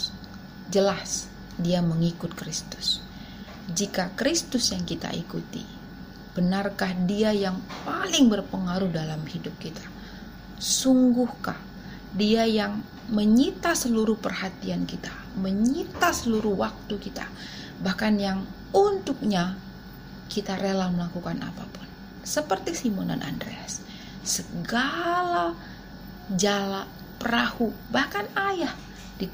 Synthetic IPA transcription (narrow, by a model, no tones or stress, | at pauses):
d͡ʒəlas | diaməŋikʊt̪̚kɾist̪ʊ̥s | d͡ʒikakɾist̪ʊsjaŋkit̪a̰ʔḭkut̪ḭ | b̥ənarkahdiajaŋpalɪŋbərpəŋaɾuhdalamhidʊp̚kit̪ʰḁ | suŋɡʊhka̰h | diajaŋ | məɲit̪asəluɾʊhpərhat̪iankit̪ḁ | məɲit̪asəluɾʊhwak̚t̪ukit̪a̰ | bahkanjaŋ | unt̪ʊk̚ɲa | kit̪aɾelalməlakukana̰papʊn | səpərt̪isimɔna̰nʔa̰ndɾḛs | səɡala | d͡ʒala | pəɾahubahkanajah | di